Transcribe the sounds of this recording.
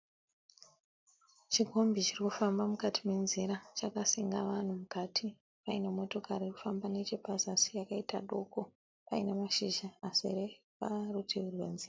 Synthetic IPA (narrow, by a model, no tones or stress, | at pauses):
t͡ʃiɡʱo̞mbit͡ʃirikufambamukatʰimwe̞nziɾat͡ʃakasiŋɡa̰ʋan̤umukatʰi | painemo̞to̞kaɾiku̥fambanet͡ʃepazasijakaitaɗo̞ko̞ | painemaʃiʒaːsire | parutʰeurwḛnziːra